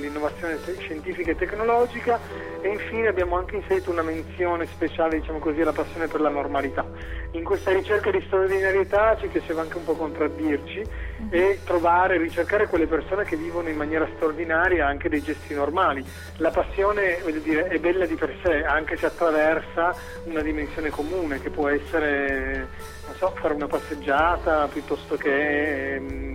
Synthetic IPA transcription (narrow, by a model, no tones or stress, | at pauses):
lːinːovat̪sːjoːneʃent̪iːfikaet̪ːekːnolɔːd͡ʒika | eiɱfiːneabːjaːmoaŋkeinseɾiːt̪ounament̪sjoːnespet͡ʃaːled̪it͡ʃaːmokozialːapasːjoːneperlanormalit̪a | iŋkwest̪aɾit͡ʃerkad̪ist̪ɾaord̪inaɾjet̪at͡ʃipjat͡ʃeːvaaŋkeumpɔkːont̪ɾad̪ːirt͡ʃiet̪ːɾovaːɾerːit͡ʃerkaːɾekwelːepersoːnek̟evːiːvonoimːanjɛːɾast̪ɾaord̪inaːɾjaaŋk̟ed̪ejd͡ʒɛst̪inormaːli | lapasːjoːnevɔːʎːod̪iːɾeɛbːɛlːad̪iperseaŋk̟eseat̪ːɾavɛrsa | unad̪imensjoːnekomuːnek̟epːwɔɛsːeɾe | nonsɔfaːɾeunapasːed͡ʒːaːt̪apjut̪ːɔst̪oke